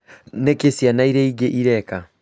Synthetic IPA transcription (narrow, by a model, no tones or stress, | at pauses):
nekesjanaiɾɛiɡeʔiɾɛka